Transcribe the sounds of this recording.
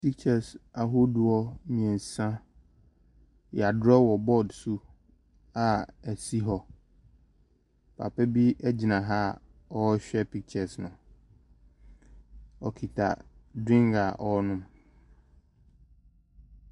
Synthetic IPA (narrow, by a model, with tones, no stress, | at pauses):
pʰi˦kt͡ɕʰɛ˨sa˨ɦʊ˦dʊ˨ɔ˦mĩ˨ɛ̃˨n˨sã˦ | jɛ˨a˨dɔ˦wɔ˨bɔ˦˨dsu˦ | a˨æ˨si˦ɦɔ˦ | pʰa̰˨pʰɛ˦bi˦ɛ˦d͡ʑi˨nã˨ɦa˦˨ | ɔ˦ɕᶣɛ˦pʰi˦k̚t͡ɕʰɛ˨snʊ̃˨ | ɔ˨kʰi˨tʰa̰˨dɾĩ˦ŋɡa˨ʔɔ˦nʊ̃˦m